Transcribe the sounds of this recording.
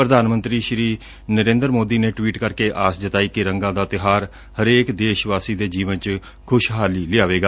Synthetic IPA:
pɾəd̪aːnmənt̪ɾiːʃɾiː | nəɾẽːnd̪əɾmoːd̪iːnẽːʈʋiːʈkəɾkeːʔaːsd͡ʒət̪aːiːkɪɾəŋɡãːd̪aːt̪ɪɦaːɾ | həɾeːkd̪eːʃʋaːsiːd̪eːd͡ʒiːʋənt͡ʃ | kʰʊʃɦaːliːlɪaːʋeːɡaː

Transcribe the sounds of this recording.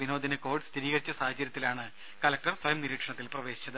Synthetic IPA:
ʋino̞ːd̪inɐko̞ːrɖst̪ʰiɾiːɣɐɾit͡ɕːɐsaːhɐt͡ɕːɐɾjɐt̪ːilaːɳɨ | kɐlɐk̚ʈɐrswɐjɐmniɾiːʈʂɐɳɐt̪ːilprɐʋe̞ːɕi̥t͡ɕːɐðɨ

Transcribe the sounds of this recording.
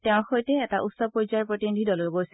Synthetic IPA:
tɛʊ̃xojtɛːtaʔutsɔpoɹzaɹpɹotinidʱidɔloɡojs

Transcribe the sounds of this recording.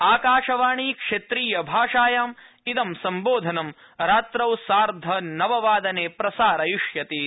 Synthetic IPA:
aːkaːʂɐʋaːɳiːkʂet̪ɾiːjɐbʱaːʂaːjaːm | id̪ɐmsɐmboːd̪ʱɐnɐm | ɾaːt̪ɾɐwsaːɾd̪ʱɐnɐʋɐʋaːd̪ɐneːpɾɐsaːɾɐjuʂjɐt̪i

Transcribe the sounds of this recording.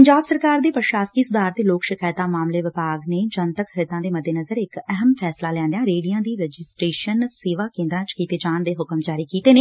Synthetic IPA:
pəɲd͡ʒaːbsəɾkaːɾd̪eːpəɾʃaːsk̪iːsʊd̪aːɾt̪eːloːkʃɪkaːjt̪aːmaːmleːʋɪpaːɡneːd͡ʒənt̪əkʰəɾɪt̪ãːd̪eːməd̪ʱːeːnəzəɾɪkɛɦəmpʰɛːslaːlɛ̃ːnd̪ejãːɾeːɽijãːd̪iːɾəd͡ʒɪsʈɾeːʃənseːʋaːkẽːnd̪ɾãːt͡ʃkiːt̪eːd͡ʒaːnd̪eːɦʊkəmd͡ʒaːɾiːkiːt̪eːneː

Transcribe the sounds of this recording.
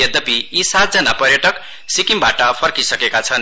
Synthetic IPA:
ʌd̪ʌpiisat̪̚d͡zʌnapʌrjʌʈʌk | sikimbaʈʌpʰʌrkisʌkekat͡sʰʌn

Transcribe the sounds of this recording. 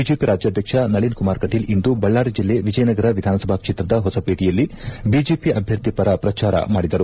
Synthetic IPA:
bid͡ʒeːpiɾaːd͡ʒjaːd̪ʱjɐkʂɐnɐɭinkumaːɾkɐʈiːlind̪ubɐɭːaːɾid͡ʒilːe̞ʋid͡ʒɐjɐnɐɡɐɾɐʋid̪ʱaːnɐsɐbʱaːkʂit̪ɾɐd̪ɐɦɔsɐpeːʈijɐlːibid͡ʒeːpiʔɐbʱjɐɾt̪ipɐɾɐpɾɐt͡ʃaːɾɐ̰maːɽid̪ɐɾu

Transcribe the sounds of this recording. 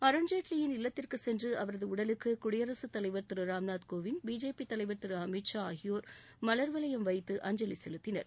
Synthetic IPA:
ɐɾɐɳd͡ʒeːʈlijɪnɪlːɐt̪ːɪrkɯsɛndrɯɐʋɐɾɐðɯʊɽɐlɯkːɯkʊɽɪjɐɾɐsɯt̪ːɐlɐɪʋɐɾt̪ɯɾɯɾaːmnaːt̪koːʋɪnbiːd͡ʒeːpit̪ɐlɐɪʋɐɾt̪ɪɾɯɐmɪʈʂaːɣɪjoːɾ | mɐlɐɾʋɐlɐjɐmʋɐɪt̪ːɯʔɐɲd͡ʒɐlisɛlɯt̪ːɪnɐ̰ɾ

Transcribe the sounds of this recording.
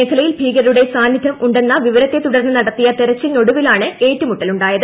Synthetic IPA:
eːkʰɐlɐjilbʱiːɡɐɾɾuɽe̞saːnːid̪ʱɐmʔuɳɖe̞nːɐʋiʋɐɾɐt̪ːe̞t̪uɽɐrnːɐnɐɽɐt̪ːijɐt̪eɾɐt͡ɕːilno̞ɽuʋilaːɳɨe̞ːtːumuʈːɐluɳɖaːjɐðɨ

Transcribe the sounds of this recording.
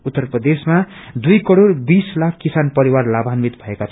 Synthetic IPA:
ut̪ːʌrprʌd̪esmad̪ujkʌɽoɽbislakʰkisanpʌɾiwarlabʱanmit̪bʱʌekat͡sʰ

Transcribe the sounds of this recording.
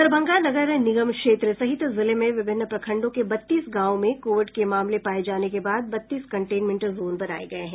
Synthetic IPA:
əɾbʱɐ̃ŋɡanɐɡəɾnɪɡəmkʃeːt̪ɾəsɐɦɪt̪zɪlemẽʋɪbʱɪnːəpɾɐkʰə̃ɳɖõkebɐt̪ːiːsɡãːʋõmẽkoːʋɪɖkemaːmlepaːed͡ʒaːnekebaːd̪̚bɐt̪ːiːskɐ̃ɳʈeːnmẽɳʈzoːnbɐɾa̰ːḛɡɐeɦɛ̃

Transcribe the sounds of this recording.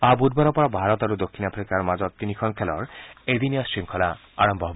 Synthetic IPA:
abud̪̚baɾɔpɔɾɔbʱaɾɔt̪ɔɾud̪okʰːinapʰɾikaɾmad͡ʒɔt̪t̪inikʰɔnkʰelɔɾed̪iniasʃiŋkʰɔla | aɾɔmbɔɦb

